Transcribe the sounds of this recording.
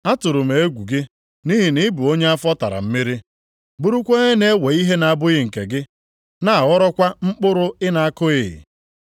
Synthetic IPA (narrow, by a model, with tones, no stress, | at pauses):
a˦tʊ˨ɾʊ˨me˨e˦ɡʷu˨ɡɪ˦ | ni˦ɦi˨nɪ˦bu˨o˦ɲe˦a˦fɔ˦ta̰˨ɾa̰˨m̩˦mi˦ɾi˦ | bu˦ɾu˦kʷe˦ɲe˦ne˦we˨i˦ɦe˦na˨a˦˨bʊ˦ɣɪ˦ŋ̩˨kḛ˨ɡɪ˦ | na˦a˨ɣɔ˦ɾɔ˦kʷa˦ŋ͡m̩˦k͡pʊ˦ɾʊ˦ɪ˦na˨a˦kʊ˦ɪ̰˨